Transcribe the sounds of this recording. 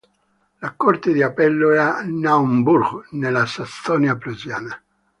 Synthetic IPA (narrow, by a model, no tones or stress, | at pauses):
lakːɔrt̪ed̪iapɛlːoɛanaumburɡnelasast̪ɔnjapɾuzjaːna